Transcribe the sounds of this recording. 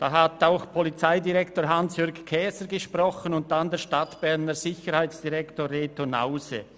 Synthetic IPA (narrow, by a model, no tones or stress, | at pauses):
d̥aːɦataʊxpʰɔlit͡saɪdiʁɛktoːɾɦansjʏɐɾɡkʰɛːsəɾɡəʃprɔχənʊnt̚d̥andɛːʃtatb̥ɛɾnəɾzɪçəɾhaɪt͡sd̥iʁɛktoːrːeːtona̰ʊsḛ